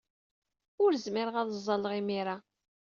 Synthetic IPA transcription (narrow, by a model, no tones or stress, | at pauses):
ʊɾzmiɾʁɑðˤzˤːɑlʁimiɾa